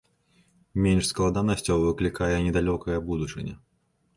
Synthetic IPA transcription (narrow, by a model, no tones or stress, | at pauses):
mʲenʲʂsklˠad̪anɐsʲt͡sʲɐwvɨklʲikajɛnʲɛd̪alʲɔkɐjɐbud̪ut͡ʂɨnʲɐ̰